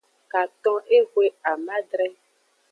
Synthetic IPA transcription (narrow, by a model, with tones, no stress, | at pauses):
ka˨t̪ɔ̃˦ʔe˦ɣwe˦a˨mã˦ɖɾɛ˦